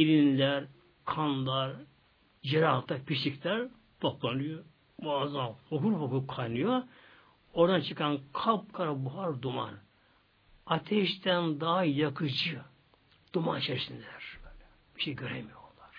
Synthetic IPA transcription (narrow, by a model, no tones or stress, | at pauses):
ilinlʲæɾ | kʰanlˠaɾ | d͡ʒeɾalˠt̪ʰːaɾpʰiʃicʲlʲæɾ | t̪ʰoplˠanɯjo | baːzanhokuɾfokukʰajnɯjo | o̞ɾd̪ant͡ʃʰɯkʰankʰap̚kʰaɾabuɦaɾd̪uma̰n | at̪ʰɛʃt̪ænd̪aɦajakʰɯd͡ʒɯ | d̪̥umant͡ʃʰɛɾsinlʲæɾ̥b̥øːlʲɛ | b̥iʃejɡøɾḛmijoolˠːaɾ̥